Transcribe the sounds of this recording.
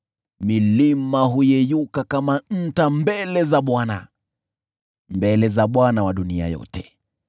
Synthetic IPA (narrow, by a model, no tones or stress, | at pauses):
milimaɦujɛjukakaman̩tambɛlɛzaɓwana̰ | mbɛlɛzaɓwanawaɗunia̰jɔ̰tɛ̥